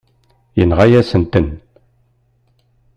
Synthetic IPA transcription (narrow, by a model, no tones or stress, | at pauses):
jənʁajæsənt̪ən